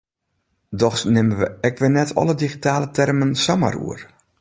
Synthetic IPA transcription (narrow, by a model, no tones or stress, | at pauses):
dɔxsnɪməʋəɛkʋɪnɛtʰɔ̰lədiɣitaːlətɛrmənsama̰rṵər